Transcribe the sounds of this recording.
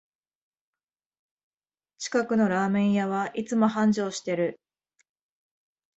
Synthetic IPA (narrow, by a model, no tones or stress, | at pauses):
t͡ɕi̥kakɯ̟no̞ɾaːmẽ̞ɰ̃jaβaʔit͡sɨmo̞hãɲ̟d͡ʑo̞ːɕi̥t̪e̞ɾɯ̟